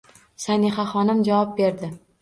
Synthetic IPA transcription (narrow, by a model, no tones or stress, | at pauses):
saniχaχɒnɪmd͡ʒavɒp̚be̞ɾd̪ɪ